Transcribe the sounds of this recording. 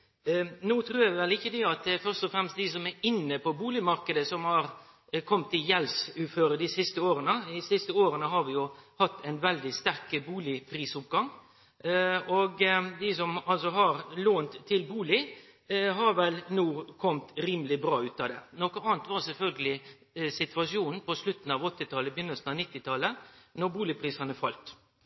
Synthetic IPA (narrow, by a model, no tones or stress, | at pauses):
nuːt̪ʰɾuːɾjɑʋɪʋɛlɪçːəd̪ɪɑt̪fœɾst̪ɔfɾɛmst̪̚d̪ɪs̬ɔmɛɾɪnːəpɔbuːlɪmɑɾkəd̪əsɔmhɑɾ | kʰɔmt̪ɪjɛlsʉːføːɾəd̪ɪsɪst̪əoːɾənəɪsɪst̪əoːɾənəɦɑɾʋɪjʊhɑt̪ʰːæɪnʋɛld̪ɪst̪æɾkəbuːlɪpʰɾiːsʊp̚ɡɑŋ | ɔɡd̪ɪsɔmɑlsɔɦɑɾloːnt̪ʰːɪlbuːlɪ | ɦɑɾʋɛlnuːkʰɔmt̪ɾiːməlɪbɾɑːʉːt̪ɑd̪ɛ̰ːnɔkəɑːnt̪ʋɑɾsɛlfœlɡəlɪ | sɪt̪ʋɑʂɪuːnn̩pɔslʉt̪n̩ɑʋɔt̪ːɪt̪ʰɑlːəbəjʏnːəsn̩ɑnɪt̪ːɪt̪ʰɑlənɔɾbuːlɪpʰɾiːsɑnəfɑlt̪